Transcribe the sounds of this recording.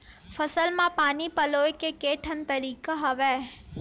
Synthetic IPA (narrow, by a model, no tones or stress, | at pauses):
fʰɐsəlmãpaːnipɐloːekekeːʈʰənt̪ɐɾiːkaɦɐʋeː